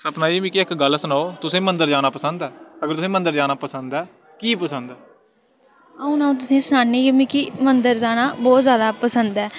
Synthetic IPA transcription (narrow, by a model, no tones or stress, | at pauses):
səpnaːimĩːkiɪkɡəlsənaːoːt̪ʊsẽːmənd̪əɾd͡ʒaːnaːpəsə̃nd̪ɛːəɡəɾt̪ʊsẽːmənd̪əɾd͡ʒaːnaːpəsənd̪ɛː | kiːpəsənd̪ɛː | əũːnaːũːt̪̬ʊsĩːsənaːniːjemĩːkiːmənd̪əɾd͡ʒaːnaːbɔːt̪zjaːd̪aːpəsənd̪ɛː